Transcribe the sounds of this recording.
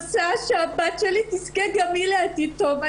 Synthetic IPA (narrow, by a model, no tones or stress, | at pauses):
saʃabat͡ʃɐlit̪iskeɡɐmileɐt̪it̪ːomɐ